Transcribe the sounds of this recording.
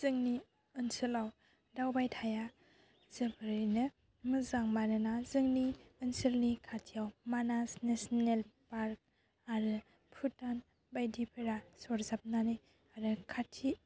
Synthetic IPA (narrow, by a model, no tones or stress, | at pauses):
z̥ɯŋni | ɯnsɯlaw | dawbajtʰaja | zɯbʰɯɾɯjnɯ | mɯzaŋmanɯnazɯŋniɯnsɯɾnikʰatʰijawmanasnesnelpaɾk̚ | aɾɯ | pʰutan | bajdipʰɯɾasɔɾzap̚nanɯj | aɾɯkʰatʰi